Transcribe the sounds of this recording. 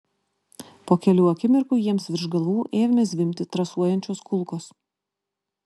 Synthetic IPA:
poːkʲɛlʲuːɐkʲɪmʲɪɾkuːjiɛmsʋʲɪɾʒɡɐlˠuːʔeːʋʲɪmʲɪsʋʲɪmʲt̪ʲɪt̪ɾɐsuɔjɛnʲt͡ʃʲoːskʊlˠˑkoːs

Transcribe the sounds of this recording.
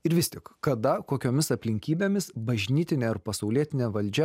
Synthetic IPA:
ɪɾʋʲɪst̪ʲɪkkɐd̪ɐkoːkʲoːmʲɪsɐpʲlʲɪŋʲkʲiːbʲeːmʲɪsbɐʒʲnʲiːt̪ʲɪnʲeːɪɾpɐsɐʊlʲiɛt̪ʲɪnʲeːʋɐlʲd͡ʒʲɛ

